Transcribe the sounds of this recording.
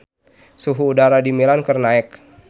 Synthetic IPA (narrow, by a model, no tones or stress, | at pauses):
suɦuːdaɾadimilankɨrnaɛk̚